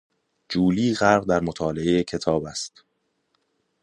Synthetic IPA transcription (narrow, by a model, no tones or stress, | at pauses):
d͡ʒuːliːɣæɾɣd̪æɾmo̞t̪ʰɒːle̞e̞jecʰe̞t̪ʰɒːbæst̪